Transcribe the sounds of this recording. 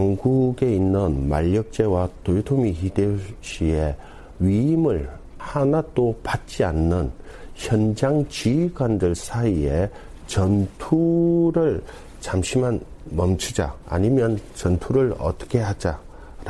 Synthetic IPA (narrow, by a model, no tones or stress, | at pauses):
ʌŋɡuɡe̞inːɯnma̰ʎːʌk̚t͡ɕ͈e̞watojtʰomihideɕie̞ | ɥiimɯɭ | hanad͈opat̚t͡ɕ͈ianːɯnçjʌnd͡ʑaŋt͡ɕiiɡwandɯɭsʰaie̞ | t͡ɕʌntʰuɾɯɭ | t͡ɕamɕʰimanmʌmt͡ɕʰud͡ʑa̰a̰ɲimjʌnt͡ɕʌntʰuɾɯɭʌ̰t͈ʌ̥kʰe̞had͡ʑa | ɾ